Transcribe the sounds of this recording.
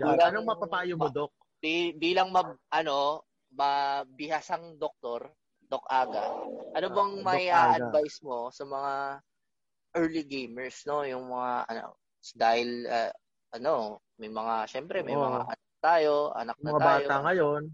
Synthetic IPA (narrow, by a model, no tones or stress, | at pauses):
d͡ʒlanɐŋmɐpɐpaːjomod̪ok̚ | bibiːlɐŋmɐʔɐno̞ | mɐbɪhasɐŋd̪ok̚t̪o̞ɾ | d̪ok̚ʔaːɡɐʔɐnobɐŋmɐiʔaːʔɐd̪̚vajsmo̞sɐmɐŋa | ʔɛɹliɡejmɛɹsno̞jʊŋmɐŋaʔɐ̰no̰ | sd̪aːhɪlɐ̰ | ʔɐno̞ | mɐjmɐŋaʃɛmpɾɛmɐjmɐŋa̰ʔɐ̰nɐk̚t̪aːjo̞ʔɐ̰nɐk̚mɐtabaːjtoaŋɐjon